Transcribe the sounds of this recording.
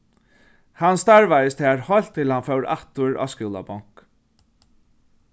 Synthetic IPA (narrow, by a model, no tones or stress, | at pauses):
hanst̪aɹvajɪst̪hɛːɹhɔl̥t̪ʰːɪlhanfœwɾa̰ht̪ʊɹa̰ːskɪwla̰bɔŋ̥k